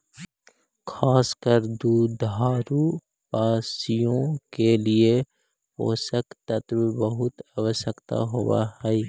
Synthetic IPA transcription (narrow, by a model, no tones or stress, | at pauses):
kʰaːskəɾd̪uːd̪aːɾu | paːsijõkelie | po̰ːsəkt̪ət̪bibəɦʊt̪aʋəʃəkt̪a̰ɦowa̰hɛː